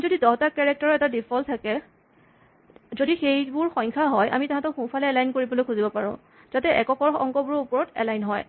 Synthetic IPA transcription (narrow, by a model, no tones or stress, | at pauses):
zodidɔɦɔtakɛɹɛk̚taɹɔɛtadipʰɔltʰakɛ | zodixejbʊɹxɔjŋkʰaɦɔjʔa̰mitaɦãtɔxũpʰalɛɛlajnkoɹibɔlojkʰuzibɔpaɹʊ̰̃ | z̥atɛʔɛ̰kɔkɔɹɔ̰ŋkɔbuɹupɔɹɔtɛ̰lajnɦɔj